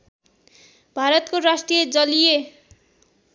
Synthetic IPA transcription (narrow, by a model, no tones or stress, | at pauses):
bʱaɾʌt̪korasʈrijed͡zʌlije